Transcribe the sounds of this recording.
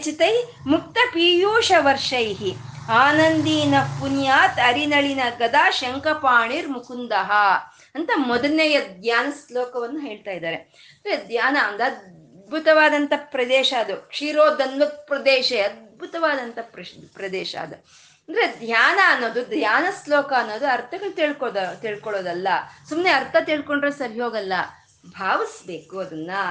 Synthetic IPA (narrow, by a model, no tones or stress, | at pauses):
t͡ʃit̪ɐj | muk̚t̪ɐpiːjuːʂɐʋɐɾʂɐjɦiaːnɐnd̪iːnɐpːunjaːt̪ɐɾinɐɭinɐɡɐd̪aːʃɐŋkɐpaːɳiɾmukund̪ɐɦɐ | ɐnt̪ɐmɔd̪ɐnejɐd̪jaːnɐsloːkɐʋɐnːuɦeːɭt̪aːjid̪aːɾe | nd̪ɐɾed̪jaːnɐɐnd̪ɐɐd̪̚ | bʱut̪ɐʋaːd̪ɐnt̪ɐpɾɐd̪ɛːʃɐɐd̪ukʂiːɾoːd̪ɐnʋɐpɾɐd̪eːʃeɐd̪̚bʱut̪ɐʋaːd̪ɐnt̪ɐpɾɐpɾɐd̪ɛːʃɐ̰ːd̪u | ɐnd̪ɐɾed̪jaːnɐːnːoːd̪ud̪jaːnɐslɔːkɐːnːo̞ːd̪uɐɾt̪ʰɐɡɐɭt̪iːɭkod̪ɐt̪iːɭkɔɭoːd̪ɐlːɐsumneɐɾt̪ʰɐt̪iːɭkoɳɖɾosɐɾiɦoːɡɐlːɐ | bʱaːʋisbeːkuɐd̪ɐnːɐ